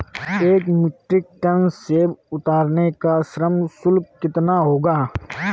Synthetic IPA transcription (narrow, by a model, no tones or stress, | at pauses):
eːkmɪʈɾɪk̚ʈɐnseʊt̪aːɾnekasɾəmsʊlk̚kɪt̪naɦoːɡaː